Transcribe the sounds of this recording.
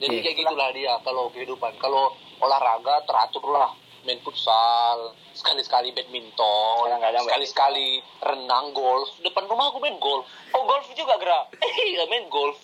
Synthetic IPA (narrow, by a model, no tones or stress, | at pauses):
d͡ʒadikaɡit̪ulahdiakalokəhɦidupankalo | olahraɡat̪əɾa̰t̪ʊrlah | mɛnput̪sal | sə̥kalisə̥kalibɛt̪̚mint̪ɔakalisə̥kali | rənaŋɡɔlfdəpanrumahkumanɡɔlf | ɔɡɔlfd͡ʒuɡaɡəɾaəmɛnɡɔlf